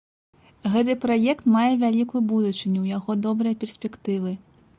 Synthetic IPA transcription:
ɣɛt̪̬ɨpɾajɛkt̪majɛvʲalʲikujubud̪ut͡ʂɨnʲuwjaɣɔd̪ɔbɾɨjɐpʲɛrsʲpʲɛkt̪ɨvɨ

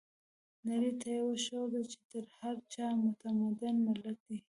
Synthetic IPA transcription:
naɾit̪ʰajawaʃowd̪at͡ʃe̥t̪əɾhaɾt͡ʃɑmʊt̪amad̪anmɪlat̪̚d̪i

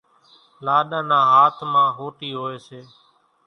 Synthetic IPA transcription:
laːɗãːnãːɦaːt̪ʰmãːɦoːʈiːɦoːeːseː

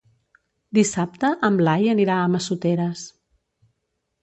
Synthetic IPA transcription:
d̪isap̚t̪əʔəmlajəniɾaəməsut̪eɾəs

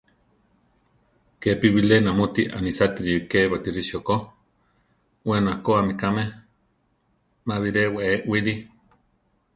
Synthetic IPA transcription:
kepiwilenamot̪iʔa̰nisat̪iɾikewat̪iɾiʃoko | wenakoamikameh | maβiɾeweeʔwili

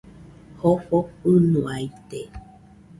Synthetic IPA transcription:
hofohɨnũajt̪e

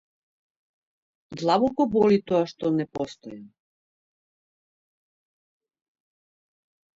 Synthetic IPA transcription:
d̪lˠabɔkɔbɔlit̪ɔaʃt̪ɔnɛpɔst̪ɔjan

